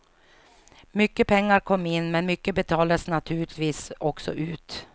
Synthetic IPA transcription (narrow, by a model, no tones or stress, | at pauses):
mʏkːəpʰɛŋːaɾkʰɔmːɪnːmɛnmʏkːəbɛt̪ʰɑːlaəsnat̪ʰʉːɭɪt̪viːsɔksɔ̰ʔʉ̟ːt̪